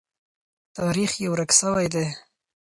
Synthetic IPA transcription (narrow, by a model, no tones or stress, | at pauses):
t̪ɑɾixjawɾaksəwajd̪e